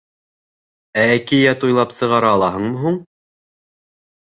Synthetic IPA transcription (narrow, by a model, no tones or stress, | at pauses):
æækijæt̪ujlˠɑpsɤ̆ʁɑɾɑːlˠɑɦɤɴmɤ̆ɦuɴ